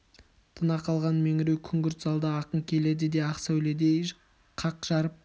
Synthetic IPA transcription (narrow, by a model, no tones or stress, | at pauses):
t̪ʰənɑqʰɑlˠʁɑnmeŋɪɾewkʲʰʏŋɡʲʏɾt̪zɑlˠd̪əɑqəɴkʲʰe̞le̞d̪ɪd̪e̞ɑqsæwled̪ej | qʰɑqʒ̥ɑɾəp̚